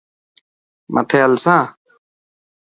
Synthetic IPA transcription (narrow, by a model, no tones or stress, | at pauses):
mʔə̰t̪ʰeːəlsãː